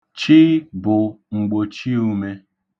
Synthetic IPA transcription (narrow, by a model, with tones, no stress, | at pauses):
t͡ʃi˦bʊ˨ | ŋ͡m̩˨ɡ͡bo˨t͡ʃi˦u˦me˦